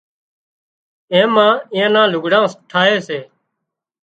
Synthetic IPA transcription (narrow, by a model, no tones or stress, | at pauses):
ẽːmãːɪ̃jãːnãːlʊɡɽãːsʈʰaːɦeːseː